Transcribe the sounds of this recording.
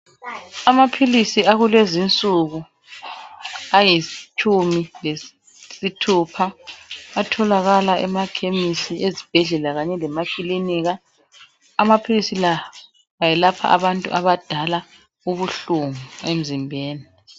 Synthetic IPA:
amapʰilisiaɣulezint͡sʼuɣu | ajit͡ʃʰʼumile | sitʰupʰaatʰɔlaɣalaʔɛmakʰemisiezib̥ʱɛɮɛlaɣaɲɛlɛmakʼiliniːɣaː | mapʰilisila | ajɛlapʰa̰ʔa̰βantʼṵʔaβad̥ʱala | uβuɬuŋuem̩zimbʱeːni

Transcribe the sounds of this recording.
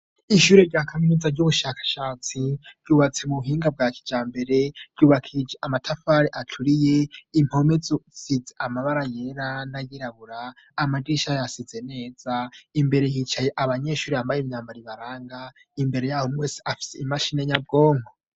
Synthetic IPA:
iʃuːɾeɾɟakʰaminizaɾɟuβuʃakḁʃaːt͡siɾ̥uβat͡se̞muuɦiːŋɡab̚ɡaːkʰi̥d͡ʒaːmbe̞ɾe̞ɾ̥juβakʰid͡ʒeʔamatʰafaɾeʔatʰuɾijeim̥ho̞mezusizeʔamaβaɾajeɾanajiɾaβuɾaː | madiʃajasizene̞ːz̥aimbe̞ɾe̞hit͡ʃajeʔaβaɲe̞ʃuːɾeambajemɲaːmbaɾiβaɾaːŋɡa | imbe̞ɾe̞jaːhomweːse̥afi̥seimaʃine̞ɲab̚ɡo̞ːŋɡo

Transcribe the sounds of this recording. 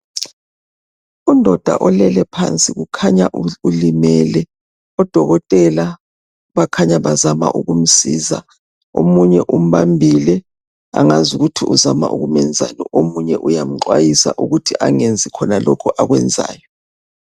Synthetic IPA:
undʱɔd̥ʱa̰ʔɔlɛlɛpʰant͡sʼiɣukʰaɲaʔulimɛlɛ | ɔd̥ʱɔɣɔtʼɛla | βakʰaɲaβazama̰ʔuɣum̩siza | omuɲɛʔum̩βambʱilɛ | aŋazuɣutʰiʔuzama̰ʔṵɣumɛnd͡zʱa̰nɔʔomuɲɛʔujam̩ǃwajisa̰ʔuɣutʰiʔaŋend͡zʱikʰɔnalɔkʰɔʔaɣwɛnd͡zʱa̰ːjɔ

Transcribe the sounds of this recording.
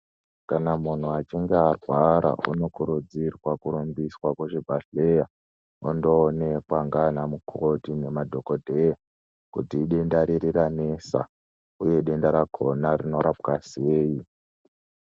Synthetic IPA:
kanamun̤uat͡ʃiŋɡearwaɾa̰ṵno̞kuɾud͡zirwakuɾumbiswakweʐibʱaɬeja | undoːne̞kwaŋɡanamukʰotine̞madʱo̞ko̞dʱeja | kutiːɗendaɾiɾiranesa̰ | uje̞ɗe̞ndaɾakʰo̞narino̞ɾapkaseːji

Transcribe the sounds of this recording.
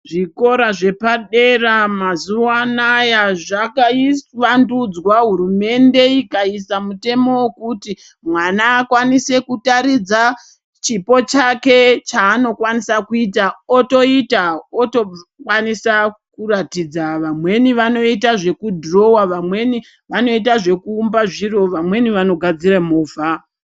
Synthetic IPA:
ʐiko̞ɾaʐe̞paɗe̞ramazuwanajaʐakaisʋandud͡zwaɦuɾume̞nde̞ikaisamute̞mo̞wekuti | mwanaːkwanise̞kutaɾid͡za | t͡ʃipo̞t͡ʃake̞t͡ʃaːno̞kwanisakuitaoto̞itaotokwanisakuratid͡zaʋamwe̞niʋano̞itaʐe̞kudʱro̞waʋamwe̞ni | ʋano̞it̬aʐe̞kuːmbaʐiro̞ʋamwe̞niʋano̞ɡʱad͡ziramoːva

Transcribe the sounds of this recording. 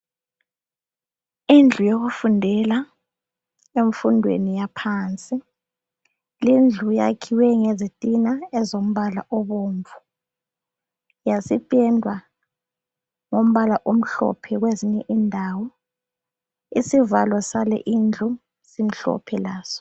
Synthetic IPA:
ind͡ɮʱujoɣufundʱɛla | eɱfundʱwḛnijapʰaːnt͡sʼi | lind͡ɮʱuja̰kʰiwɛŋezitʼinaɛzom̩βalaʔɔβoːɱvʱu | jasipʼɛndʱwa | ŋom̩βalaʔom̩ɬɔ̰pʰɛɣweziɲɛʔindʱawɔ | isivalwɔsalɛ̰ʔind͡ɮʱu | sim̩ɬɔ̰pʰɛlaːz̥ɔ̥

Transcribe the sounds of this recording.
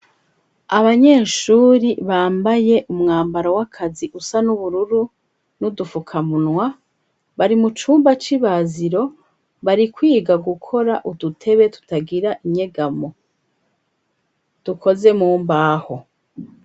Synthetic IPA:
aβaɲe̞ːʃuːɾiβaːmbaje̞ʔumŋaːmbaɾowakʰaziʔusanuβuɾuɾu | nudufukʰamunwa | βaɾimut͡ʃuːmbat͡ʃiβaziɾo̞ | βaɾikwiːɡaɡukʰo̞ɾaʔudutʰe̞βe̞tu̥taɡiɾaʔiɲe̞ɡamo | d̥ukʰo̞ze̞muːmbaːho̞

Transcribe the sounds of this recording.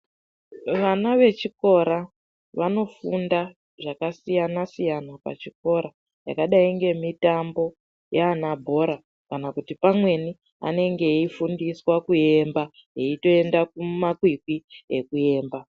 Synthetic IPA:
ʋanaʋe̞t͡ʃiko̞ɾa | ʋano̞funda | ʐakasijanasijanapa̰t͡ʃiko̞ɾa | ja̰kaɗaiŋɡe̞mitambo̞ | jeanabʱo̞ɾa | kanakutipamwe̞ni | a̰ne̞ŋɡe̞ifundiswakuje̞mba | eito̞e̞ndak̚umakwikwiḛkue̞ːmba

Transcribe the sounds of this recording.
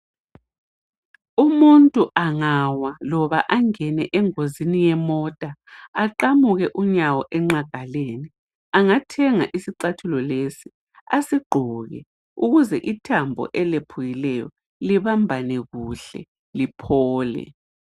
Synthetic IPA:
umuntʼuʔaŋawalɔβa̰ʔaŋɛnɛʔɛŋozinijɛmɔtʼaaǃamuɣɛʔuɲawɔʔɛŋ͡ǁaɡ̥ʱaleːni | aŋatʰɛŋaʔisiǀatʰulɔlesi̥ | asiɡ͡ǃʱɔɣɛ̰ | uɣuzɛʔitʰambʱɔ̰ʔɛlepʰujilɛjɔ̰ | liβambʱanɛɣuɬɛ̰ | lipʰɔːlɛ̰

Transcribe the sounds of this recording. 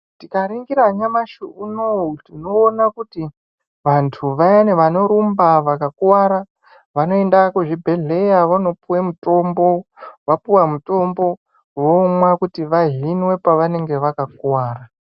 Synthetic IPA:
tikaɾiŋɡiɾaɲamaʃuʔunotino̞ːnakuti | ʋantʰuʋajeneʋano̞ɾumbaʋakakwaɾa | ʋano̞endakuʐibʱe̞ɮe̞jaʋano̞puwemuto̞mbo̞ʋapuwamuto̞mbo̞ | ʋomwakutiʋaɦinwe̞paʋane̞ŋɡe̞ʋakakwaːra

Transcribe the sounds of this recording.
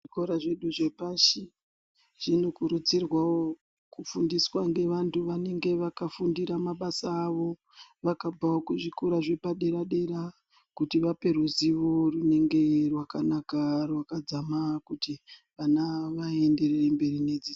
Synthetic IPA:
ʐikoɾaʐe̞ɗuʐe̞paʃi | ʐ̥ino̞kuɾut͡sirwawo | kufundiswaŋɡe̞ʋantʰuʋane̞ŋɡe̞ʋakafundiɾamaɓasaːʋo̞ | ʋakabʱaokuʐikuɾaʐepaɗe̞ɾaɗe̞ɾa | kutiʋape̞ruziʋo̞rune̞ŋɡe̞rwakanakarwakad͡zamakutiʋanaʋae̞nde̞rerembe̞rine̞d͡zi

